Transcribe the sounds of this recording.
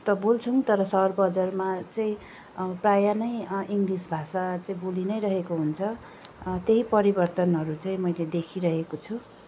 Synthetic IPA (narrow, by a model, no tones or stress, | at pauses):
t̪ʌbolt͡sʰuŋt̪ʌɾʌsʌrbʌd͡zarmat͡saĩ | prajanʌjiŋɡrisbʱasat͡saĩbolinʌjɾʌɦekoɦunt͡sʰʌ | t̪eɦipʌɾibʌrt̪ʌnɦʌɾut͡saĩmʌjled̪ekʰiɾʌɦekot͡sʰu